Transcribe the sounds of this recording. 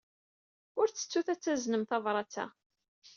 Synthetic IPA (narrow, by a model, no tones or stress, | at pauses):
ʊɾt͡sːə̥t͡sːuθæt͡sːæznəmθɑvɾˤɑt͡sːæ̰